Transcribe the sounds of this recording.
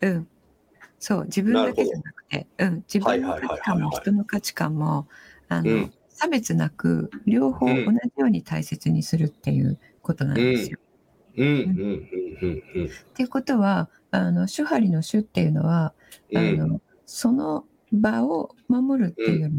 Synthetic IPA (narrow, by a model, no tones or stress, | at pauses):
ɯ̟̃ɴ | so̞ːd͡ʑibɯ̃nnd̪ake̞daanakɯ̟̥t̪e̞̰ɯ̟̃ɴd͡ʑibɯ̟̃nːokat͡ɕi̥kamːo̞çi̥t̪o̞no̞kat͡ɕi̥kãmːo̞ano̞̰ | sabe̞t͡sɨnakɯ̟̰ɾʲjo̞ːho̞ːʔonaʑijo̞ːɲ̟it̪aise̞t͡sɨɲ̟isɨɾɯ̟t̪ːe̞jɯ̟̰ː | ko̞t̪o̞nã̰d̪esɨijo | ɯ̃ | t̪e̞ko̞t̪o̞βaː | no̞ɕɨhaɾʲino̞ɕɨt̪ːe̞jɯ̟no̞̰βa | ano̞ | so̞no̞ | baomamo̞ɾɯ̟t̪ːeɾ